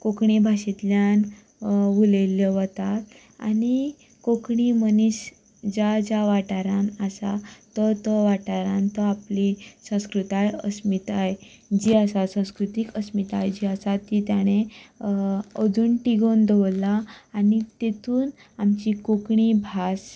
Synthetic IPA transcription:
kokɳibʱaɕit̪ljan | ʋuleljɔʋət̪at̪ | a̰ni | kokɳiməniɕ | d͡ʑad͡ʑaʋaʈaɾanasat̪ət̪əʋaʈaɾant̪ɔaplisə̃w̃skɾut̪ajə̰smit̪aɦe | d͡ʑiasasə̃w̃skɾut̪ikəsmit̪aɦed͡ʑiasat̪it̪jaɽ̃e | əd͡zunʈiɡond̪əʋlaːnit̪et̪uːn | amt͡ɕikokɳibʱas

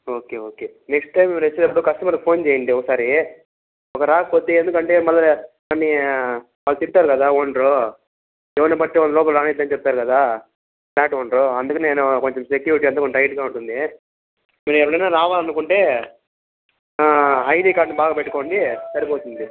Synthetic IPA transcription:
oːke̞ːoːke̞ːneksʈɐjmiɾet͡ʃːid̪ɐp̬ːuɽukɐsʈɐmɐɾkpʰo̞ːnt͡ʃeːjɐɳɖiɔkɐsaːɾi | ɔkɐɾaːkpoːt̪e̞ːend̪ukɐɳʈe̞ːmɐlːɐ | ɐnːi | mɐlːɐt̪iɾut̪aːɾukɐd̪aːoɳɖɾoː | ɛʋɐnɐpɐʈːeɔnːɐlɔːp̬ɐlɾaːnit̪̬lɐnt͡ʃep̚t̪aːɾukɐd̪aː | naːʈoːɳɖɾoːɐnd̪ukɐneːnuko̞ɲt͡ʃomsekjuʋiʈijɐnt̪aːkoɲɐjʈɡaːuɳʈund̪i | miːɾɛʋɐɽɐjnaːɾaːʋaːlɐnukuɳʈe̞ː | ɐjʈiːkaːɾɖnibaːɡaːpeʈːuko̞ːɳɖisɐɾipoːt̪und̪i

